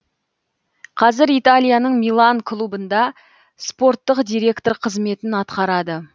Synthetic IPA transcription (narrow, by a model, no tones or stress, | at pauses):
qʰɑzɪɾijt̪alʲˠijanəɴmijlˠaŋkʰlˠubənd̪ɑ | spo̞rt̪ːəqd̪ijɾe̞kt̪o̞ɾqʰəzme̞t̪ɪnɑt̪qɑɾɑd̪ə